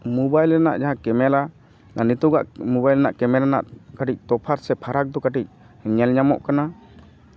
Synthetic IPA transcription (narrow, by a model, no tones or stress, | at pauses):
mɔbajlɾɛna̰ʔd͡ʒaɦãkɛmɛla | nanit̪uɡa̰ʔmɔbajlɛnaʔkɛmɛlana̰ʔkaʈic̚t̪ɔpʰaɾsɛpʰaɾak̚d̪ɔkaʈic̚ | ɲɛlɲamɔ̰ʔkana